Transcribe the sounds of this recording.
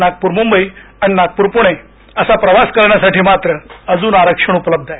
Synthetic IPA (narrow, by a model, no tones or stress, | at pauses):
naɡ̚puːɾmumbəiaɽ̃inaɡ̚puːɾpuɽ̃e | əsapɾəʋaskəɾɳjasaʈiːmat̪ɾəəd͡zuːnaɾəkʂəɳ̃upləb̚d̪ʱae